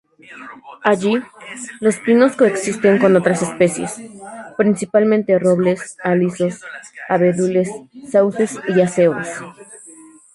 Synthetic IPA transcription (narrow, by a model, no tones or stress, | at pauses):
aʝilo̞spino̞sko̞eksist̪eŋko̞no̞t̪ɾase̞spe̞sje̞̰spɾinsipalmẽnt̪ero̞βle̞saliso̞saβeðule̞sːawse̞siase̞βo̰s